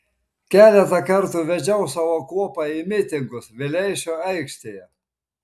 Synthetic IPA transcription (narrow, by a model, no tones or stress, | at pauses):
kʲæːlʲɛt̪ɐkɐɾt̪uʋʲɛd͡ʒʲɛʊsɑːʋoːkuɔpɑimʲɪt̪ʲɪŋɡʊsʋʲɪlʲɛɪʃʲoːɛɪkʃʲt̪ʲeːjɛ